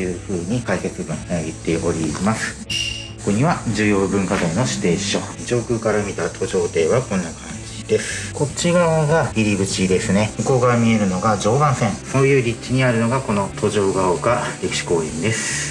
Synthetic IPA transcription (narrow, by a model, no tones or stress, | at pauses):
jɯ̟ːɸɯ̟ːɲ̟ikaiket͡sɨbɯ̟̃hit̪ːe̞ʔo̞ɾʲimasɨ̥ | okoɲ̟iβad͡ʑɨːjo̞ːbɯ̟̃ŋkad̪aino̞ɕi̥t̪e̞ːɕo̞ | d͡ʑo̞ːkɯ̟ːkaɾamʲit̪at̪ʰo̞ʑo̞ːt̪e̞ːβakõ̞nːakʰãɲ̟d͡ʑiid̪e̞sɨ̥ko̞t͡ɕːiɡaoɡaçʲiɾʲibɯ̟t͡ɕid̪e̞sɨne̞mɯ̟ko̞ːkaɾamʲie̞ɾɯ̟no̞ɡaʑo̞ːd̪ãɰ̃sẽ̞ŋso̞ːjɯ̟ːɾʲit͡ɕiɲ̟iaɾɯ̟no̞ɡako̞no̞t̪ʰo̞ʑo̞ːɡaokaɾe̞kʲi̥ɕi̥ko̞ːĩnd̪e̞sɨ̥